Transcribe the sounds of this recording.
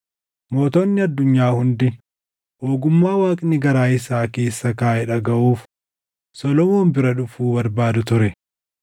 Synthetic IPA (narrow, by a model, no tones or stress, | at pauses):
mo̞ːt̪oːnːɪɐd̪ːʊɲːaːhʊnd̪ɪ | ʔoːɡʊmːaːwaːkʼnɪɡɐɾaːɪsaːke̞ːsːɐkaːhɪᶑɐɡɐʔuːf | sɔlɔmoːmbɪɾɐᶑʊfuːbɐɾbaːd̪ʊt̪ʊɾɛ